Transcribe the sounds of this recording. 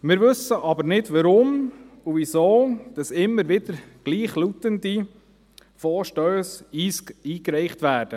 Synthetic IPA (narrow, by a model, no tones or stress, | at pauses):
mɪːɾʋɵsəʔɑbəɾnɪdʋɑɾʊm | uvisoːd̥ɑsɪmːəɾʋɪd̥əɾɡ̥liːχlut̪əndi | foːʃtœːsiːsiːkɾɛɪχtʋæːɾd̥ə